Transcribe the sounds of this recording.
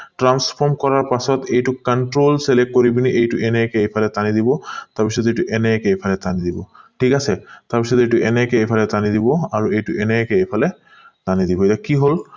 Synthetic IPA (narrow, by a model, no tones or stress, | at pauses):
ʈɹanspʰɔɹmkɔɹaɹpasɔt̪ejtukaɳʈɹolselek̚koɹibiniʔejtuʔɛnɛkɛejpʰalɛt̪anid̪ibɔt̪aɹpisɔt̪zejtuʔɛnɛkeejpʰalɛt̪anid̪ibɔʈʰikasɛt̪aɹpisɔt̪ejtuʔɛnɛkɛejpʰalɛt̪anid̪ibɔaɹuejtuɛnɛkɛejpʰalɛ | t̪anid̪ibɔejt̪akiɦol